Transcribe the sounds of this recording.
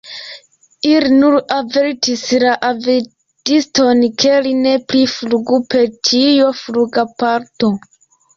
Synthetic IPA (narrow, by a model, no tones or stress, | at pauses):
ilinuɾaveɾtislaʔave | d̥isto̞nkʰe̞line̞plifluɡupe̞ɾtʰijofluɡapaɾto̞